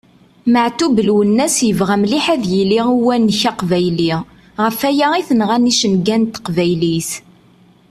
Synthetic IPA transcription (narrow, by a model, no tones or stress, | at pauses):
məʕt̪ubəlwənːæsjəvʁæmliħæðjiliiwænːçaqvæjli | ʁəfæjaiθənʁæniʃənɡænt̪ːqvæjliθ